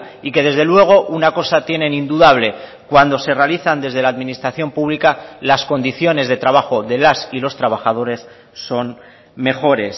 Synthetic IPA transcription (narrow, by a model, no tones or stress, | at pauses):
ike̞ð̞e̞zðe̞lwe̞ɣ̞o̞ʔunako̞sat̪je̞nẽ̞nind̪uðaβ̞le̞ | kwand̪o̞se̞re̞aliθand̪e̞zð̞e̞laðmĩnist̪ɾaθjo̞mpuβlikalasko̞nd̪iθjo̞ne̞zðe̞t̪ɾaβ̞axo̞ðe̞lasilo̞st̪ɾaβ̞axað̞o̞ɾe̞sː | o̞n | me̞xo̞ɾe̞s